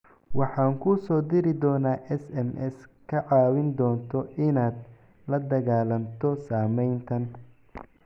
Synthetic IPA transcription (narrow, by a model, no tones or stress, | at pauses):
wɑħɑːŋkʰʊsɔːd̪ɪɾɪd̪ɔːnaːʔɛsɛmʔɛskʰɐʕɑːwɪnd̪ɔːnt̪ʰɔʔɪnaːd̪ | lɐd̪ɐɣaːlɐnt̪ʰɔsaːmɛjnt̪ʰɐn